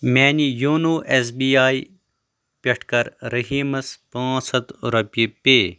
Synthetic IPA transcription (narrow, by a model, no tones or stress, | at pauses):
meːnijoːnoːʔeːsbiːjaːi | pʲɐʈʰkɐɾɾɐɦiːmɐspãːsɐt̪o̰ɾɐpipeː